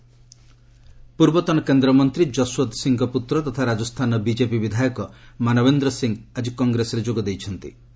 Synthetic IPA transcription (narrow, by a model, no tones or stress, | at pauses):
puɾbɔt̪ɔnɔkend̪ɾɔmɔnt̪ɾid͡ʒɔswot̪siŋɡɔput̪ɾɔt̪ɔt̪ʰaɾad͡ʒɔst̪ʰanɔbid͡ʒepibid̪ʱajɔkɔmanɔbend̪ɾɔsiŋɡad͡ʒikɔŋɡɾesɔɾed͡ʒoɡɔd̪ejt͡ʃʰɔnt̪ḭ